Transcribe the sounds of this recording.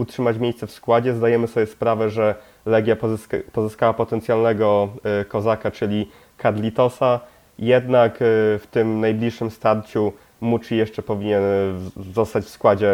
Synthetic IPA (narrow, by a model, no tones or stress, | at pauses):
utʂɘmat͡ɕmʲjejst̪sɛfskwad͡ʑɛzd̪ajɛmɘsɔbʲjɛspɾavɛʐɛ | lɛɡʲjapɔzɘskawapɔt̪ɛnt̪sʲjalnɛɡɔkɔzakat͡ʂɘlʲi | kad̪lʲit̪ɔsa | jɛd̪nakft̪ɘmnajblʲiʂʂɘmst̪aɾt͡ɕu | mut͡ʂijɛʂt͡ʂɛpɔvʲiɲɛnzɔst̪at͡ɕfskwad͡ʑɛ